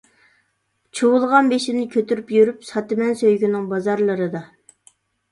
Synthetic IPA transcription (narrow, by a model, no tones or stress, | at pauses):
t͡ʃʰuwʊlˠʁɑnbeʃɪnɪkʲʰøt̪ʰyɾypjyɾypsɑt̪ɪmɛnsøjɡʲynɪŋbɑzɑɾlˠɨɾɨd̪ɑ